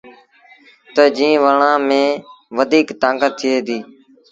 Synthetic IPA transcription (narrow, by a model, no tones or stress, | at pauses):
t̪əd͡ʒĩːʋəɳãːmẽːʋəd̪ʱiːkt̪ãːkət̪ʰːɪeːd̪iː